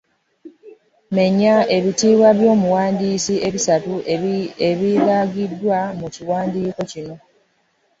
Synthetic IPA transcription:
me̞ɲːae̞βitiːβwaβjo̞ːmuwaːndiːsie̞βisatueβilaɡidːwamuciwaːndiːko̞cino̞

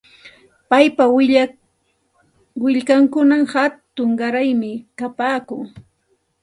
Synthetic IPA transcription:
pajpaw | wɪʎkaŋkʊnamhat̪ʊŋɢaɾajmɪkapaːkʊŋ

